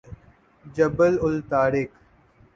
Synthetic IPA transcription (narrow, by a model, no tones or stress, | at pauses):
d͡ʒəbəlʊlt̪aːɾɪk